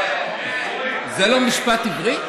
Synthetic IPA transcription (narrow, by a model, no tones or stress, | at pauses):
zelomiʃpat̪ivʁi